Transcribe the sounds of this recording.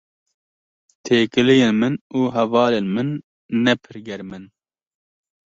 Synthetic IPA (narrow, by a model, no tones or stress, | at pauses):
t̪ʰeːkɨlijeːnmɨnuːɦɛvɑːleːnmɨnː | ɛpʰɨɾɡɛɾmɨn